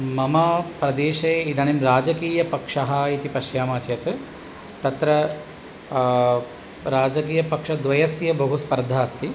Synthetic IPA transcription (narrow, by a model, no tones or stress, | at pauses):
mɐmɐpɾɐd̪eːʃɐjid̪ʱɐnimɾaːd͡ʒɐkiːjɐpɐkʂɐɦɐit̪ipɐʃjaːmaːt̪jɐt̪ | t̪ɐt̪ɾɐ | ɾaːd͡ʒɐk̬iːjɐpɐkʂɐd̪ʋɐjɐsjɐbɐɦuspɐɾd̪ʱːaːst̪i